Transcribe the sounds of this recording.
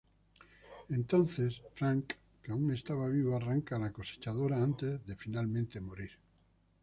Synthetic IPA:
ẽnt̪õnθesfɾaŋkː | auŋe̞st̪aβaβiβoaraŋkalakose̥t͡ʃað̞oɾaant̪ezðe̞finalmẽnt̪e̞moɾiɾ

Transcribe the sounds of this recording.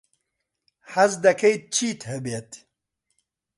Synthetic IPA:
hɐzd̪ɐkʰɐjt̪̚t͡ʃʰiːt̪həbeːt̪

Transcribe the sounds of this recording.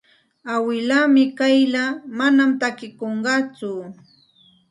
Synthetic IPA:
awɪlamɪkajlamanamt̪akɪkoɴɢɑt͡sʊ

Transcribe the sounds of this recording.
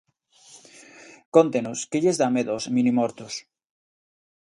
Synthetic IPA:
kont̪enuskeʎezðameðosmĩnimoɾt̪us

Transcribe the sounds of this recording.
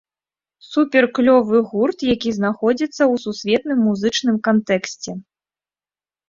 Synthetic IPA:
supʲɛrklʲɔvɨɣurt̪jakʲiznaxɔd͡zʲit̪sːɐwsusʲvʲɛt̪nɨmːuzɨt͡ʂnɨmkant̪ɛksʲt͡sʲɛ

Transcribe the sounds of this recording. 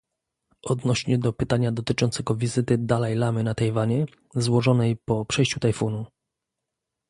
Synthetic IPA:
ʔɔd̪nɔɕɲɛd̪ɔpɘt̪aɲad̪ɔt̪ɘt͡ʂɔnt̪sɛɡɔvʲizɘt̪ɘd̪alɛjlamɘnat̪ajvaɲɛ | zwɔʐɔnɛjpɔpʂɛjɕt͡ɕut̪ajfunu

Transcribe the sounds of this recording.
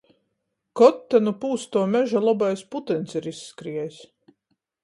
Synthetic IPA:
kɔt̪ːɛnupuːst̪uɔmʲɛʒalˠɔbajsput̪ɛnsiɾisːkɾiɛjis

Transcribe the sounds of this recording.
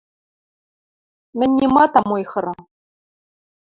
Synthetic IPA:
mɘ̆nʲːimɑt̪ɑmojχɤ̆ɾɤ

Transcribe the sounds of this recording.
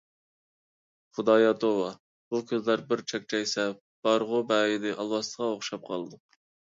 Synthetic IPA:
χʊd̪ɑːjɑt̪ʰowɑ | b̥ukʲʰøzlæɾbɪɾt͡ʃʰɛk̚ʲt͡ʃʰɛjsɛ | b̥ɑɾʁʊbæjid̪ɪʔɑlˠwɑst̪əʁɑoχʃɑp̚qʰɑlˠɨd̪u

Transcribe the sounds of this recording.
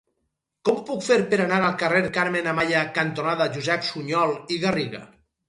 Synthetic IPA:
kɔmupukfeɾpeɾanaɾalˠkareɾkaɾmenamaʎakant̪onaðaʒuzɛpsuɲɔlˠiɣariɣa̰

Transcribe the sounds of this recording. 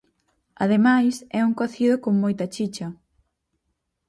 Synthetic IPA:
ɐ̰ðemajsɛuŋkɔθiðokoŋmojt̪ɐt͡ʃit͡ʃɐ

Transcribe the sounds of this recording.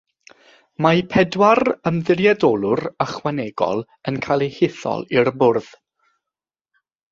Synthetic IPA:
majpʰɛdwarəmðɪrjadɔlˠʊɾəχwanɛɡɔ̰lˠ | ənkʰajlˠihɪθɔ̰lˠirbʊrð̥

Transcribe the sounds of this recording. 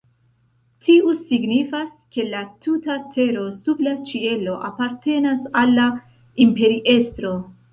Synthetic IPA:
tʰiusiɡnifas | ke̞latutatʰe̞ɾo̞sublat͡ʃie̞lo̞ʔapaɾte̞nasalːa | impe̞ɾiʔe̞stɾo̞

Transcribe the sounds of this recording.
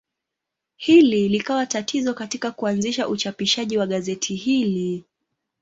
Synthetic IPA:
hililikawatatʰizɔkatikakuanziʃaʔut͡ʃapiʃaʄiwaɠazɛtʰihili

